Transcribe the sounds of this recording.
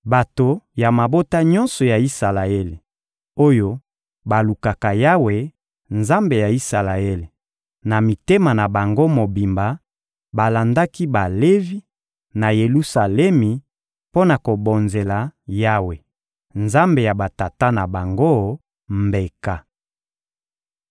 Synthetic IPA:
ba˨to˨ja˨ma˨bo˦ta˦ɲɔ̃˦nsɔ˨ja˨i˦sa˨la˨e˦le˨ | o˦jo˦ | ba˨lu˨ka˨ka˨ja˦we˨ | nza˦mbe˨ja˨i˦sa˨la˨e˦le˨ | na˨mi˨te˦ma˨na˨ba˨ŋɡo˦mo˨bi˨mba˨ | ba˨la˨nda˦ki˦ba˨le˦vi˦ | na˨je˨lu˦sa˨lɛ˦mi˨ | po˦na˨ko˨bo˨nze˨la˨ja˦we˨ | nza˦mbe˨ja˨ba˨ta˨ta˦na˨ba˨ŋɡo˦ | mbe˨ka˦

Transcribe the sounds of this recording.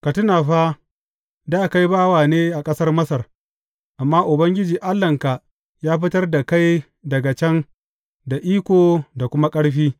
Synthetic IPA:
ka˨tʊ˦naː˨ɸa˦ | daː˦˨ka˦jbaː˦waː˨neː˦ʔa˨kʼɐ˦sɐ˦rmɐ˦sɐ˨r | ʔa˨mːaː˦ʔʊ˨bɐ˦ŋɡʲɪ˦d͡ʒiː˨ʔa˦lːɐ˨ŋka˨ʔ | jaː˦ɸɪ˦tɐ˦rda˨ka˦j | dɐ˨ɡa˨t͡ʃɛ˦n | da˨ʔiː˦kʷoː˨da˨kʷʊ˦ma˦kʼɐ˦ɽɸiː˦

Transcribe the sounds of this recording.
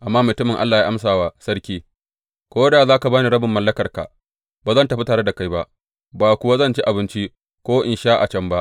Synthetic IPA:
ʔa˨mːaː˦mʊ˨tʊ˦mɪ˨ŋʔa̰˦lːaː˨jaː˦ʔa˦msaː˨waː˨sɐ˦ɾkʲiː˦ | kʷoː˦daː˨zaː˦ka˨baː˦niː˨ɾɐ˦bɪ˨mːɐ˦lːɐ˦kɐ˨rka̰˨ | baː˨zɐ˦˨ntɐ˨ɸi˦taː˨ɽe˦da˨ka˦jba˦ʔ | baː˨kʷʊ˨wa˦zɐ˦nt͡ʃi˦ʔa˨bɪ˦nt͡ʃi˦ | kʷoː˦ʔɪ˨nʃaː˦ʔa˨t͡ʃɐ˦mba˦ʔ

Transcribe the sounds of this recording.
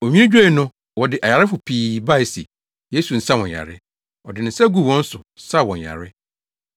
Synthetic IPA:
o˨ɲᶣĩ˦nɪ̃˦d͡ʑᶣo˦˨nʊ̃˦ | wɔ˨dɪ˨ʔa˨ja˨ɾɪ˦fʊ˨pʰiː˨ba˦ɪ˨sḭ˨ | je˦su˨n̩˨sa˦wɔ̃˨a̰˨ɾɪ˦ | ɔ˨dɪ˨nɪ̃˨n̩˨sa˦ɡu˦˨wɔ̃˦n̩˦sʊ˨sa˦˨wɔ̃˨ɲja̰˨ɾɪ˦

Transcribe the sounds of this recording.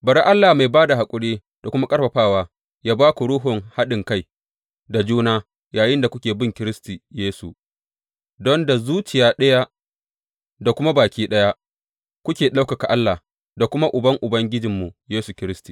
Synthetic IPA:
bɐ˨ɾi˦ʔa˦lːaː˨ma˨jbaː˦da˨ha˨kʷʼʊ˦ɽeː˦ | d̥a˨kʷʊ˦ma˦kʼɐ˦ɽɸɐ˨ɸaː˦˨waː˦ | jaː˦baː˦ku˨ɽʊː˦ɦʊ˨ŋha˦ɗɪ˨ŋka˦j | da˨d͡ʒuː˦naː˦ | jaː˨jɪ˦nda˨kʷʊ˦kʲeː˨bɪ˦ŋkʲɪ˦ɾɪ˦sti˨jeː˦sṵ˨ | dɔ˦nda˨zuː˦t͡ʃɪ˨jaː˦ɗɐ˦ja˦ | da˨kʷʊ˦ma˦baː˨kʲiː˦ɗɐ˦ja˦ | kʷʊ˦kʲeː˨ɗa˦wka˨ka˨ʔa˦lːa˨ | da˨kʷʊ˦ma˦ʔʊ˨bɐ˦ŋʔʊ˨bɐ˦ŋɡʲɪ˦d͡ʒɪ˨mːu˨jeː˦su˨kʲɪ˦ɾɪ˦sti˨

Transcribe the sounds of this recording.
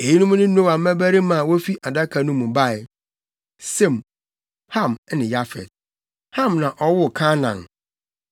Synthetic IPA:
e˨ji˦nũ˦m˦nʊ̃˦o˦wa˨m̩˦mæ˦bæ˦ɾi˦m˦ã˨wo˦fi˦ʔa˨da˦kʰa˨nũ˦mũ˨ba˦˨j | sɛ̃˦˨m | hã˦˨m˦nɪ̃˨ja˦fɛ̰˨d̚ | hã˦˨mnã˨ʔɔ˦wʊ˦˨kʰã˦nã̰˨n

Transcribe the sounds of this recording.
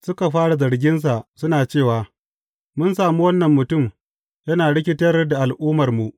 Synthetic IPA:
sʊ˦ka˨ɸaː˦ɽa˨zɐ˨ɽɡʲɪ˦ns̬a˨ʔsʊ˦naː˨t͡ʃeː˦˨waː˨ | mʊ˦ns̬aː˨mu˦wɐ˦nːɐ˨mːʊ˨tʊ˦˨m | jɐ˦naː˨ɽɪ˦k̬ʲɪ˦tɐ˦rda˨ʔa˨lʔuː˦mɐ˨rmu˨ʔ

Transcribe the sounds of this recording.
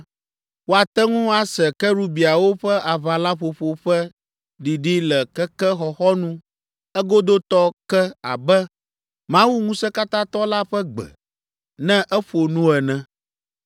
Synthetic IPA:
wo˦a˨t̪ɛ˦ŋũ˦a˦sɛ˨kɛ˦ɾu˦bi˨a˨wo˦ɸɛ˦ʔa˨βa˨la˦ɸo˨ɸo˨ɸɛ˦ | ɖi˨ɖi˦lɛ˨kɛ˦kɛ˦xɔ˨xɔ˦nũ˦ | ɛ˦ɡo˦d̪o˦t̪ɔ˦kɛ˦a̰˨bɛ˦ | mã˦wu˦ŋũ˦sɛ˦ka˦t̪ã˦t̪ɔ˦la˦ɸɛ˦ɡ͡bɛ̰˨ | nɛ̃˦ʔɛ˦ɸo˨nũ˦ɛ˨nɛ̃˨

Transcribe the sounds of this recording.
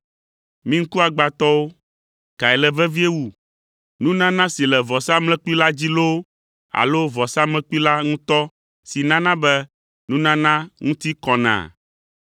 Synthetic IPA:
mĩ˦ŋ̩˦ku˦a˨ɡ͡ba˨t̪ɔ˦wo˦ | ka˨ɛ˨lɛ˨vɛ˦vi˦e˦wu˦ | nũ˦nã˦nã˦si˨lɛ˨vɔ˨sa˦mlɛ̃˦k͡pu˦i˦la˦d͡ʑi˦lo˦ | a̰˨lo˦vɔ˨sa˦mlɛ̃˦k͡pu˦i˦la˦ŋũ˦t̪ɔ˦ | si˨nã˦nã˦bɛ˦ | nũ˦nã˦nã˦ŋũ˦t̪i˦kɔ˨nã̰˨

